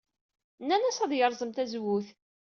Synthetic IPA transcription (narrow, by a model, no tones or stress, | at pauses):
nːænæsæðjəɾˤzˤəmt̪æzwuθ